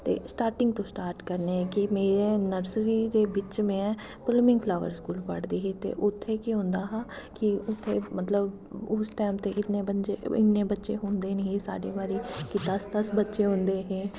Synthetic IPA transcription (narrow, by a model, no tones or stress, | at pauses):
t̪ḛːsʈaːɾʈɪ̃ŋɡt̪õːsʈaːɾʈkəɾneɛ̃kimeːɾenəɾsɾid̪eːbɪt͡ʃmẽɛ̃ | pɪlmɪ̃ŋɡpʰlaːʋə̰ɾskuːlpəɽd̪iːɦẽt̪ḛːʔʊt̪ʰːekiɦõːnd̪aːɦɛːkiʊt̪ʰːemət̪ləb | ʊsʈɛːmt̪eʔɪt̪nebət͡ʃeɪ̰t̪nebətːʃeɦʊ̃ːnd̪eːnəɦĩsa̰ːɖeːbaːɾikid̪əsd̪əsbətːʃeɦʊ̃nd̪eːɦẽː